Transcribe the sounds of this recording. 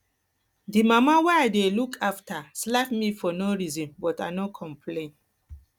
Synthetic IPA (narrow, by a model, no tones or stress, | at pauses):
dimamawɛaɪdelukʰaftaslafmifɔnoɹizɔ̃nbɔta̰nokʰɔ̃mpʰlẽn